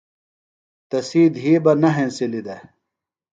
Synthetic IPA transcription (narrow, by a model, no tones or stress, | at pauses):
t̪ɐsiːd̪ɦiːbɐnɐɦẽːnsilid̪e